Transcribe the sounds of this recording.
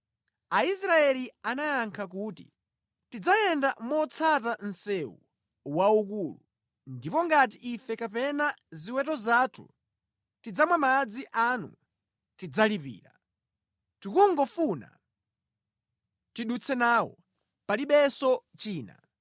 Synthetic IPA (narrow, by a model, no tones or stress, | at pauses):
ais̬ɾaɛlianajaŋkʰak̬uːtḭ | tid͡zajɛndamɔt͡sʰatan̩sɛwṵ | wauk̬uːlu | ndipɔŋɡat̬iʔifɛkapɛnaziwɛtɔzaːtʰṵ | tid͡zamwamad͡ziʔanṵ | tid͡zalipḭːɾa | tukuŋɡɔfuna̰ | tiɗut͡sʰɛnaːwɔ̰ | paliɓɛsɔt͡ʃiːna̰